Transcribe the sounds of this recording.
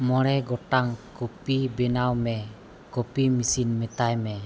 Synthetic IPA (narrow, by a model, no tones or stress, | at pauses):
mɔɾɛɡɔʈaŋkɔpibɛnawmɛ | kɔpimisinmɛt̪ajmɛ